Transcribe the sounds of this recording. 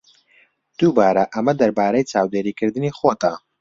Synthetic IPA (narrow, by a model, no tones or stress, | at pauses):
d̪̥ubaːɾɐʔɐmɐd̪ɐɾbaːɾɐjt͡ʃaːwd̪eːɾiːkʰɨɾd̪ɨniːxoːt̪ɐ